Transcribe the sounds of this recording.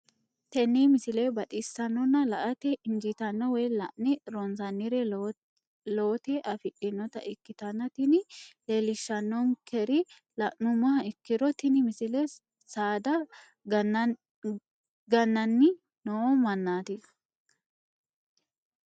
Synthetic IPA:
t̪ɛnːimɪsɪlebɐt̪ʼisːɐnːɔnːɐlɐʔɐt̪ɛɪnd͡ʒit̪ɐnːɔwɛːlɐʔnɪɾɔnsɐnːɪɾɛ | loːt̪ɛʔɐfɪʔɪnːɔt̪ɐ̰ʔɪkːɪt̪ɐnːɐt̪ɪnɪleːlɪʃːɐnːɔŋkɛɾɪ | lɐʔnʊmɐɦɐɪkːɪɾɔt̪ɪnɪmɪsɪlɛ | saːd̪ɐ | ɡɐnːɐnːɪ | nomɐnːaːt̪ɪ

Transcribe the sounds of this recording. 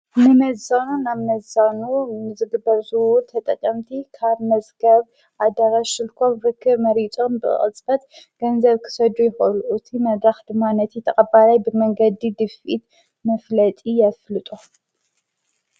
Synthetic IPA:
nɨmɐzanunaβmɐzanunɨzɨɡɨbːɐɾzɨwʊlt̪ʰɐt̪ʼɐkʼːɐmt̪ʰikʰaβmɐzɡɐβ | ʔad̪aɾaʃɨlkʰo̞mfɨkʰːɨɾmɐɾit͡sʼo̞mbɨ̰χʼɨ̰t͡sʼbɐt̪ɡ̥ɐnzɐβkʰɨ̥sɐd̪ujɛxʔluʔut̪ʰimɐd̪axd̪ɨmːanɐt̪ʰit̪ʰɐχʼɐbalajbɨmɐŋɡɐd̪id̪ɨfʔit̪ | mɐflɐt̪ʼijɐflɨt̪ʼu

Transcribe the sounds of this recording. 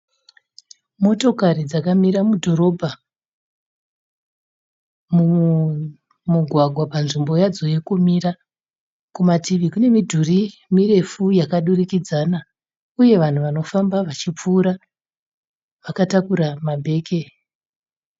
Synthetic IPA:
mo̞to̞kaɾid͡zakamiɾamudʱo̞ɾo̞bʱa | mu | muɡʱwaɡʱwapanʐimbo̞jad͡zojekumira | kumatiʋikune̞midʱurimire̞fujakaɗurikid͡zana | uje̞ʋan̤uʋano̞fambaʋat͡ʃip͡fuːɾa | ʋakatakuɾamabʱe̞ːke̞

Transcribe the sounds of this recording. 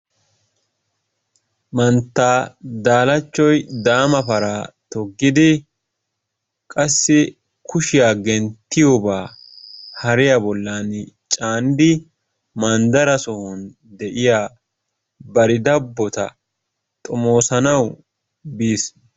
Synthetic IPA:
mɐnt̪ːaːd̪aːlɐt͡ʃːɔjd̪aːmɐpɐɾaːt̪ɔɡːɪd̪ɪ | kʼɐsːɪ | kʰʊʃɪjaːɡɛnt̪ːɪjɔbaː | hɐɾɪjɐbɔlːaːnt͡ʃʼaːnd̪ɪ | mɐnd̪ɐɾɐsɔhʊn | d̪ɛʔɪjaː | bɐɾɪd̪ɐbːɔt̪ɐ̰ | t̪ʼɔmo̞ːsɐnɐw | biːs

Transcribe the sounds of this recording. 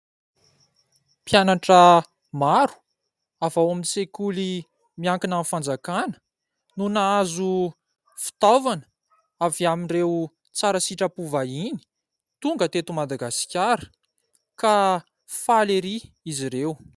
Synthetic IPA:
pjanaʈ͡ʂə | maɾu̥ | avawamint͡sekuli | miaŋkinanfand͡zakanə̥ | nunaazu | fi̥t̪ovanə | aviaminrew | t͡saɾasiʈ͡ʂəpuvaini̥ | t̪uŋɡət̪et̪umad̪aɡasi̥kʲaɾə̥ | ka | faleɾi | iziɾew

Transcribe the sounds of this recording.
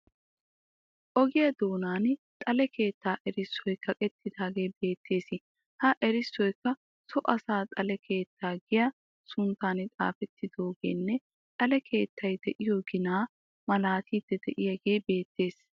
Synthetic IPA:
ʔɔɡɪjɐd̪oːnaːnt̪ʼɐlɛkʰe̞ːt̪ːaːʔɛɾɪsːɔjkɐkʼɛt̪ʰːɪd̪aːɡe̞ːbe̞ːt̪ʰːe̞ːsɪ | hɐʔɛɾɪsːɔjkːɐ | sɔʔɐsaːt̪ʼɐlɛkʰe̞ːt̪ːaːɡɪjɐ | sʊnt̪ːaːnɪt͡sʼa̰ːfɛt̪ʰːɪd̪oːɡeːnːɛ | t̪ʼɐlɛkʰe̞ːt̪ʰːɐjd̪ɛʔɪjoːɡɪnaː | mɐlaːt̪ʰiːd̪̥ːɛd̪ɛʔɪjɐɡe̞ːbe̞ːt̪ːe̞ːs

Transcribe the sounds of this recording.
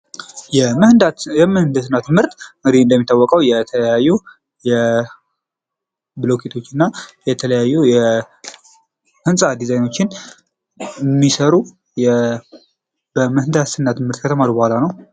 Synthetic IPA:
jɛd̪jɛmɨhɨnd̪əsɨnːat̪mɨɾt̪ɨŋɡɨd̪iɨnd̪əmːit̪ːawːɔkʼəwjɛt̪ʰələjajːu | jɛ | bɨlokʰet̪ʰo̞t͡ʃːɨnːajɛt̪ʰələjajːujɛ | hɨnsʼad̪izajno̞t͡ʃːɪn | mːisəɾu | jɛ | bəmɨhɨnd̪asɨnːat̪mɨɾt̪kʰət̪ʰəmaɾibəhʷalanəw

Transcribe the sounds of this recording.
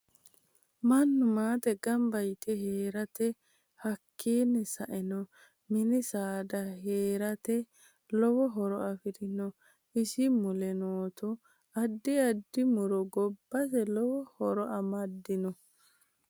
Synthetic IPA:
mɐnːʊmaːt̪ɛɡɐmbɐjt̪ɛɦeːɾɐt̪ɛ | hɐkʰːiːnːɛsɐʔɛnɔ | mɪnɪsaːd̪ɐheːɾɐt̪ɛ | lɔwɔɦɔɾɔɐfɪd̪ɪnɔ | ɪsɪmʊlɛnoːt̪ɔ | ɐd̪ːɪɐd̪ːɪmʊɾɔɡɔbːɐs̬ɛlɔwɔhɔɾɔʔɐmɐd̪ːɪnɔ

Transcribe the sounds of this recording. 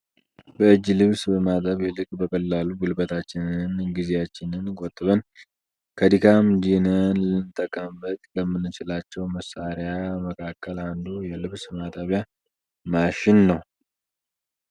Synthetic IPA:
bəɨd͡ʒːlɨβsbəmat̪ʼəβɛlɨkʼbəkʰʼəlːaluɡulbət̪ʰat͡ʃːɪnɨnɡizeat͡ʃːɪnɨnkʼot̪ʼːβən | kʰəd̪ikʰamd͡ʒinənlɨnt̪ʼəkʼəmbət̪ʼləmːɨnːɨt͡ʃɪlat͡ʃːɛwməsaɾjaməkʰakːəland̪ujɛlɨβsmat̪ʼəβja | maʃɪnːəw

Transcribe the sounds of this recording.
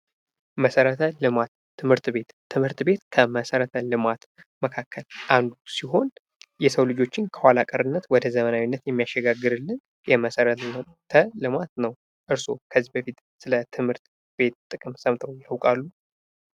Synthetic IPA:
məsəɾət̪ʰəlɨmat̪ʰːɨmhɨɾt̪be̞t̪ʰːɨmhɨɾt̪be̞t̪kʰəməsəɾət̪ʰəlɨmat̪ | məkʰakʰːəlʔand̪usiɦo̞n | jɛsəwlɨd͡ʒo̞t͡ʃːɪnkʰəwalakʼəɾɨnːət̪wɔd̪əzəmənawinːət̪jɛmːijaʃːɛɡaɡːɨɾɨlːɨn | jɛməsəɾət̪nə | t̪ʰəlɨmat̪nəw | ʔɨɾso̞kʰəzːibəfit̪sɨlət̪ʰɨmhɨɾt̪ | be̞t̪t̪ʼɨkʼɨmsəmt̪ʰəwjhəwkʼalːu

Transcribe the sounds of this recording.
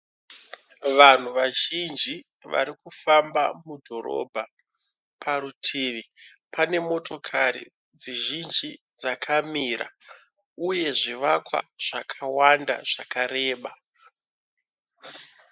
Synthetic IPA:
ʋan̤uʋaʒind͡ʒi | ʋa̰ɾikufambamudʱo̞ɾo̞̰bʱa | pʰaɾutʰiːʋi | pʰane̞mo̞to̞kʰaɾḭ | d͡ziʒind͡ʒi | d͡zakʰamira̰ | uje̞ʐiʋakwa̰ʐ̥akʰawanda̰ʐ̥akaɾe̞ːɓa

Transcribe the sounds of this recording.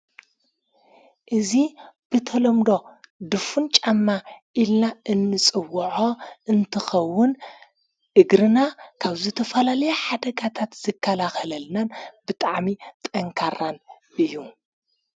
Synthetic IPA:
ʔɨzib̥ɨt̪ʰɐlɐmd̪o̞d̪ɨfunt͡ʃʼamːaʔilnaʔɨnːɨt͡sʼɨwːɐʕoʔɨnt̪ʰɨxɐwːʊn | ʔɨɡɾɨnakʰaβzɨt̪ʰɐfɐlalɐjeħad̪ɐɡat̪ʰat̪z̥ɨkʰːɐlaxɐlɐlnanbɨt̪ʼaʕmit̪ʼɐŋkʰaɾan | ʔɨjːu

